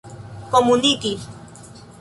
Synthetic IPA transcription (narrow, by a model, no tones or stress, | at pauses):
komuniki